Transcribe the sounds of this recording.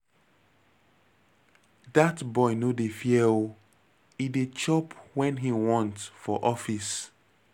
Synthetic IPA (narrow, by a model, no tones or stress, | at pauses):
datbɔɪnodefiel | idet͡ʃɔpwɛ̃nɦiwɔ̃ntfɔʔɔfis